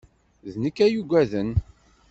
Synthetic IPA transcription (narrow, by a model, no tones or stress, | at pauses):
ðnəkːæjuɡʷæðən